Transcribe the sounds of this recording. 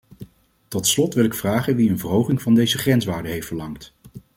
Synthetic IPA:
tɔtslɔtʋɪlˠɪkfraːχənʋiənvərɦowχɪŋvɑndejzəχrɛnsʋaːɹdəɦejftfəɹlɑŋt

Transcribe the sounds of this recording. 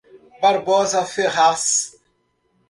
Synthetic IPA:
baɾbɔzafeɣas

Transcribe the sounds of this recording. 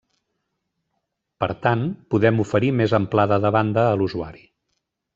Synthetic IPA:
pə̰ɾt̪anpuðɛmufəɾimezəmplaðəðəβand̪əːluzua̰ɾi

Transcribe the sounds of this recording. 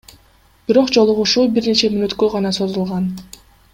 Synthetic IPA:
b̥iɾo̞qd͡ʒo̞lˠuʁuʃuːbiɾne̞t͡ʃe̞minøt̪køʁɑnɑso̞zulˠʁɑn

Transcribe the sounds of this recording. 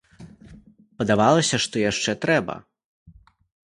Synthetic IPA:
pɐd̪avalˠɐsʲɐʂt̪ɔjaʂt͡ʂɛt̪ɾɛbɐ̰

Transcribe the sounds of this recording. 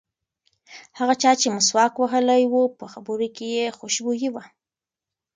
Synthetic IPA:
haɣat͡ʃɑt͡ʃemʊswɑkwaɦəlajwupəxabəɾokejexoʃbujiwa

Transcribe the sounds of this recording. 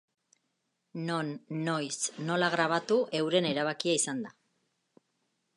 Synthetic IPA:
no̞nːo̞jsno̞laɣɾaβ̞at̪uʔe̞wɾe̞ne̞ɾaβ̞akiaisand̪a

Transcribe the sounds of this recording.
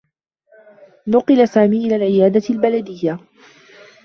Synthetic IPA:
nʊqɨlasaːmiːʔɪlaːlʕɪjaːd̪albalad̪ɪjːa

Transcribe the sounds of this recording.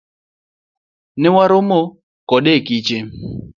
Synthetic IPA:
nɪwaɾomo | kɔɗekit͡ʃɪ

